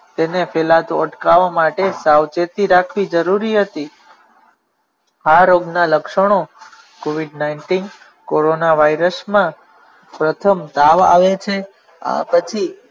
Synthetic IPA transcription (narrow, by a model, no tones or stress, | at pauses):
t̪enefelat̪oəʈkaʋamaʈesaʋt͡ʃet̪iɾakʰʋid͡ʒəɾuɾiɦət̪i | ɦaɾoɡnaləkʃəɽ̃o | koʋiɖnaiɳʈin | koɾonaʋajɾəsmã | pɾət̪ʰəmd̪aʋa̰ʋet͡ʃʰe | a̰pət͡ʃʰi